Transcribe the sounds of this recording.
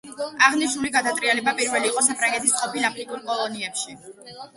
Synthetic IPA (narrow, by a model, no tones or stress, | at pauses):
aʁniʃnuliɡad̪at̪ʼɾianɛbapʼiɾvɛliːqʼɔsapʰɾaŋɡɛt̪ʰisqʼɔpʰilapʰɾikʼuɾkʼɔlˠɔniɛpʃi